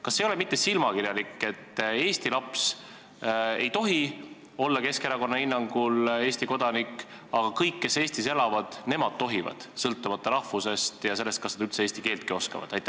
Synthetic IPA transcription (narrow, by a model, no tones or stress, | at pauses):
kɑsːejolemit̪ˑːe̞silmɑkirjɑlikːe̞t̪ːˑe̞ːst̪ilɑps | e̞jt̪o̞ɦi | o̞lːɑke̞ske̞ɾɑko̞nːɑhinːɑŋɡ̥ule̞ːst̪iko̞d̪̥ɑnikː | ɑɡ̥ɑkɤjkːe̞se̞ːst̪ise̞lɑvɑd̪̥ne̞mɑd̪̥̚t̪o̞ɦivɑ̰d̪̥sɤlt̪ːˑumɑt̪ːˑɑɾɑhfuse̞st̪jɑs̬e̞lːest̪kɑsnɑd̪̥ylt̪seeːsʲt̪ike̞ːlt̪̚kio̞skɑ̰vɑ̰d̪̥ɑjt̪ːˑæ